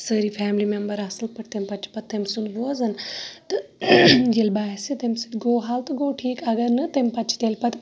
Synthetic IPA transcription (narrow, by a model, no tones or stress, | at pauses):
səːɾifʰæːmlimembɐɾɐsɨlpɐʈt̪emʲpɐtt͡ʃʰi̥pɐt̪t̪emsunʋoːzɐnt̪ɨ | jilʲbaːsit̪emsɨnɡoːɦaːlt̪ɨɡoːʈʰiːkɐɡɐɾnɨt̪empɐtt͡ʃʰi̥t̪elʲpɐt̪